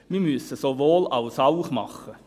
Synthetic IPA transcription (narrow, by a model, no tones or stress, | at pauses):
miːmyəsəsovoːlaʊsaʊχmɑ̰χə